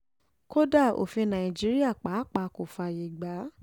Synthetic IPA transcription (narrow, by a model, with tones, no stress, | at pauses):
ko˦da˦˨o̰˨fĩ˧nã˨i˨d͡ʒi˦ɾi˦a˦˨k͡pa˨˦k͡pa˨˦ko˨fa˧je˨ɡ͡ba˨˦